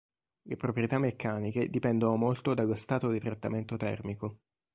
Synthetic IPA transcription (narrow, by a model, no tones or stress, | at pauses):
lepɾopɾjet̪amːekʰːaːniked̪ipɛnd̪onomolt̪od̪alːost̪aːt̪od̪it̪ɾat̪ːament̪ot̪ɛ̰rmiko